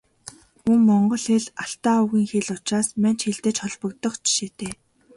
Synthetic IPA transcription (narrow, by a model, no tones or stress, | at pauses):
uŋmɔɴɢɞ̆ɮxeɮaɬt̪aːuɣiːŋxeɮʊt͡ɕraːsman̥t͡ɕxeɮt̪ĕːt͡ɕχɔɮpɞ̆kt̪ɞ̆χt͡ɕʰi̥ʃeːt̪eː